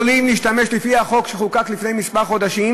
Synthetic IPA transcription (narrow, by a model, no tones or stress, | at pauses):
limliʃt̪ame̞ʃlifihaχo̞kʃeχukaklifne̞jmispaʁχo̞d̪aʃim